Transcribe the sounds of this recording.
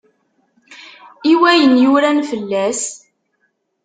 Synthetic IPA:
iwæjənjʊɾænfəlːæs

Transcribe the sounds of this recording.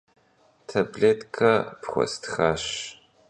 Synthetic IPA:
tʰɐbɮeːtkʰɐpχʷɔ̰stʰxaːɕ

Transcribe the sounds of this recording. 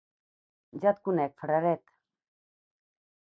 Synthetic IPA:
d͡ʒat̪̚kunɛk̚fɾaɾɛt̪

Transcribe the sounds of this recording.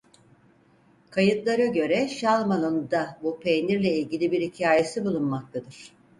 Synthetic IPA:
kʰajɯt̪lˠaɾaɟø̞ɾɛʃalˠmanond̪abupʰenʲiɾlʲɛilʲɟilʲibiɾhicʰaːje̞sibulˠunmak̚t̪ʰad̪ɯɾ̥

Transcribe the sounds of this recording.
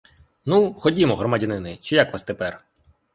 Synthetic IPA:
nuxɔdʲimɔɦɾɔmadʲɐnɪnɪt͡ʃijakʋast̪epɛr

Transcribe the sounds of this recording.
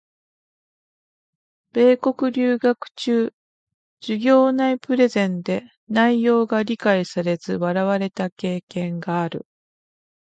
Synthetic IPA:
b̥e̞ːko̞kɯ̟ɾʲɨːɡakɯ̟̥t͡ɕɨː | d͡ʑiɡʲo̞ːnaipɯ̟ɾe̞zẽ̞nd̪e̞ | naijo̞ːɡaɾʲikaisaɾe̞zɨβaɾaβaɾe̞t̪ake̞ːkẽ̞ŋɡaːɾɯ̟̰

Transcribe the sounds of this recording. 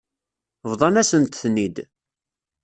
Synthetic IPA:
vðˤɑnæsənt̪θnid̪

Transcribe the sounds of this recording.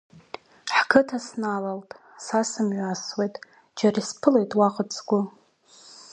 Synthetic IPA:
ħkʰɨtʰasnalaltʼ | sasɨmɥʷaswejtʼ | d͡ʒarispʰɨlejtʼwaqʼət͡sʰʼɡʷʊ

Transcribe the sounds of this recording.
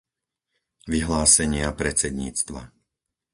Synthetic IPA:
ʋiɦlaːsɛɲɪapɾɛt͡sɛd̪ɲḭːt͡st̪ʋa̰

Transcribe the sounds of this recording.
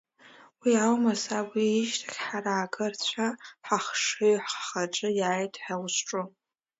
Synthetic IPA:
wiawmasabʷiːʒtʰaɡʲħaraːɡɨrt͡ɕʷʰaħaχʂɨɥħχaʈ͡ʂʼɨjaajtʰʼħawʃʈ͡ʂʼʊ

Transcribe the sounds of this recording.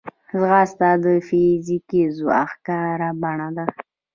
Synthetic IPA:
zɣast̪ad̪əfizikizuaxkɑɾabaɳad̪a

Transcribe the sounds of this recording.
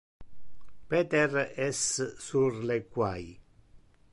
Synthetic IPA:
pɛt̪ɛrɛssurlekwaj

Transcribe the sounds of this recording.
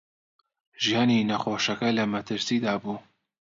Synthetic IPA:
ʒijɑːniːnɐxoːʃɐkɐlɐmɐt̪ʰɨɾsiːd̪aːbuː

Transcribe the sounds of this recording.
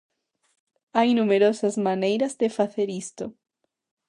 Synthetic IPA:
ajnumeɾosɐzmanejɾɐzðefaθeɾist̪ʊ

